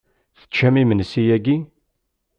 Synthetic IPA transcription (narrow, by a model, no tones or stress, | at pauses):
θə̥t͡ʃːæmimənsijæɡi